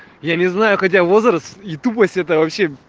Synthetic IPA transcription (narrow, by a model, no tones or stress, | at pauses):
janʲɪznajʊxɐt̬ʲavo̞zɾəst̪it̪up̬əsʲtʲɛt̪̬əvɐpɕːe̞